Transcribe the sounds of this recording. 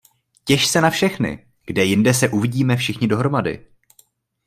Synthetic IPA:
cɛʃsɛnafʃɛxnɪ̰ | ɡ̥dɛjɪndɛsɛʔuvɪɟiːmɛfʃɪxɲɪdo̞ɦɾo̞madɪ̰

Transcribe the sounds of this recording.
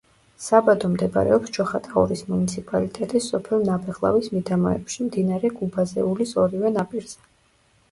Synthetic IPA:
sabad̪ɔmd̪ɛb̰ɾɛ̰ɔpsd͡ʒɔχat̪ʼaɔ̰ɾismunit̪sʰipʼalit̪ʼɛt̪ʼisːɔpʰɛlˠnabɛʁlˠa̰vwismid̪amɔɛ̰pʃimd̪inaɾɛɡubazɛulisɔɾivɛnapʼiɾz̥ɛ

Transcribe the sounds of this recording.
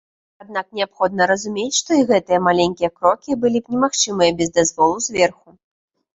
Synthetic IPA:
ad̪̚naknʲɛapxɔd̪̚nɐɾɐzumʲet͡sʲʂt̪ɔiɣɛt̪ɨjɐmalʲenʲkʲijɐkɾɔkʲibɨlʲipnʲɛmaxt͡ʂɨmɨjɐbʲɛzd̪azvɔlˠuzʲvʲɛrxu

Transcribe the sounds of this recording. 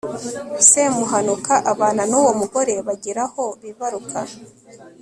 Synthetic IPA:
semuɦanukaʔaβaːnanuːwo̞muɡo̞ɾe̞βaɟiɾaho̞βiβaɾukʰa

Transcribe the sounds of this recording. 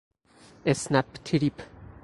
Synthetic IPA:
esnæpt̪ʰiɾip

